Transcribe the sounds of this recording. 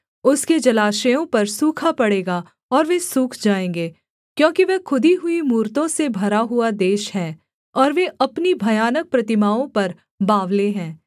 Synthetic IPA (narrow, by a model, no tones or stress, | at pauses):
ʊsked͡ʒɐlaːʃəjõpɐɾsuːkʰapɐɽeːɡa | ɔːɾʋesuːkʰd͡ʒaːẽːŋɡeː | kjõːkiʋekʰʊd̪ʱiɦʊimuːɾt̪õsebʱɐɾaɦʊad̪eːʃɦɛ̃ː | ɔːɾʋeʔɐpnibʱɐjaːnək̚pɾɐt̪ɪmaːõpɐɾ | baːʋleɦɛ̃ː